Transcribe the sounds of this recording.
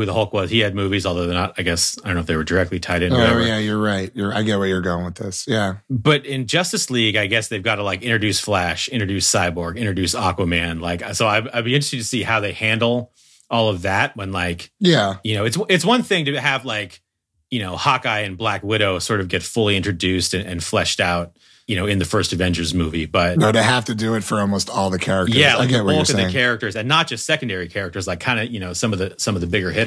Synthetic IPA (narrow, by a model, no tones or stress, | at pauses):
hʉðəhɔlˠkwʌz̥iɨd̚mʉvizɔlˠðə˞ðɨ̃nətaɪɡɛsaɪdõnoʊfðeɪwə˞də˞ɛk̚tˡlitʰaɪɾɨ̃nojæjə˞ɹaɪt̚jə˞aɪɡɛt̚weɪjə˞ɡoʊɪ̃ŋwəðɪ̰sjæb̥ʌɾɪ̃nd͡ʒʌstɨsliɡaɪɡɛsðeɪvɡɑɾəlaɪkɪ̃ñt͡ʃɹ̥ɨdʉsflæʃɪ̃nɹ̥dʉsaɪbɔɹɡɪ̃nt͡ʃɹɨdʉsɑkwəmæ̃nlaɪksoʊaɪaɪlˠbiɪ̃nt͡ʃɹɨstɨtʰɨsihaʊðeɪhæ̃ndˡl̩ˠ | ʔɔlˠʌvðæt̚wə̃nlaɪkjæjɨnoʊɨtswɨtswʌ̃nθɪ̃ŋtɨːvlaɪk | jɨñoʊhɑkaɪɨ̃nblækwɪɾoʊsɔɹɾʌvɡɛtfʊlˠiɪ̃nt͡ʃɹ̥ɨdʉstɨ̃nɨ̰̃nflɛʃtaʊt̚ | jɨñoʊɨ̃nðɨfɜ˞stɨvɛ̃nt͡ʃə˞zmʉvib̥ʌt̚noðeɪɦæftɨdɨɪtfə˞ɔlˠmoʊstɔlˠðɨkʰɛɹɨk̚tjæɪɡɛwwolˠkɨ̃ðɨ̃kʰɛɹɨk̚tə˞zɨ̃nːət̚d̥ʒ̥ʌstsɛkn̩dɛɹikʰɛɹɨk̚tə˞zlaɪkʰãɪ̃ndɨjɨñoʊsʌ̃mʌvðɨsʌ̃mʌvðɨbɪɡə˞hɪɾ